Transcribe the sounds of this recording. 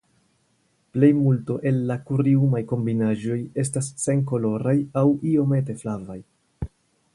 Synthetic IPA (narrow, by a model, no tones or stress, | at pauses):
ple̞jmulto̞ʔe̞lːakuɾiumajko̞mbinaʒo̞je̞stasːe̞ŋk̬o̞lo̞ɾajawio̞me̞te̞flavaj